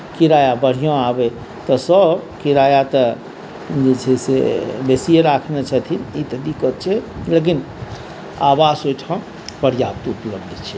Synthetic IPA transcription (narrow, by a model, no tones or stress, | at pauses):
kiɾajabəɽ̤ijõabe | t̪ɔsəbkiɾajat̪ə | d͡ʒet͡ʃʰɛsḛbesijeɾakʰnet͡ʃʰət̪ʰinit̪əd̪ikət̪̚t͡ʃʰɛlek̬in | abasojʈʰə̃ | pəɾjabt̪upləbd̪ʱt͡ʃʰɛ